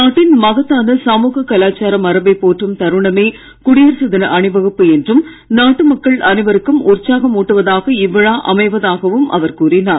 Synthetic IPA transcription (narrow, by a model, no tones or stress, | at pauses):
naːʈːɪnmɐɣɐt̪ːaːnɐsaːmuːɣɐkːɐlaːt͡ʃːaːɾɐmɐɾɐbɐɪpːoːʈrɯmt̪ɐɾɯɳɐmeː | kʊɽɪjɐɾsɐðɪnɐʔɐɳɯʋɐɣɯpːɯɛndrɯm | naːʈːɯmɐkːɐɭʔɐnɪʋɐɾɯkːɯmʊrt͡ʃːaːɣɐmuːʈːɯʋɐðaːɣɐɪʋːɐɻaːʔɐmɐɪʋɐðaːɣɐʋɯmʔɐ̰ʋɐɾkuːrɪnaːɾ